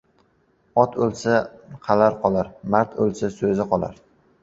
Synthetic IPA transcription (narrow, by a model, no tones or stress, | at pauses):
ɒt̪ʰɵlsaqʰɑlaɾqʰɒlˠaɾmaɾt̪ʰɵ̰lsasɵzɪqɒlˠa̰ɾ